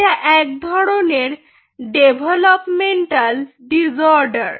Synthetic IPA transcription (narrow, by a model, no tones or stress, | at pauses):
aʔɛk̚d̪ʱɔɽoneɾ | ɖebʱəlɔpmeɳʈal | ɖid͡zɔɾɖəɾ